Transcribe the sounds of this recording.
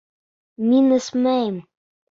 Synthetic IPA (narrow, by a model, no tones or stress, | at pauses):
minɘ̆smæjm